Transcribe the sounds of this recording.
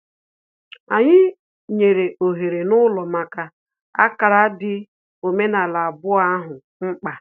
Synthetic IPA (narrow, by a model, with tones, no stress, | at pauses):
a˨ɲɪ˦ | ɲe˨ɾe˨ʔo˨ɦe˨ɾe˨nʊ˦lɔ˨ma˨ka˦ | a̰˦ka˨ɾa˦dɪ˦ | o˨me˦na˨la˨bʊ˦a˦ɦʊ˨ | ŋ͡m̩˦k͡pa˨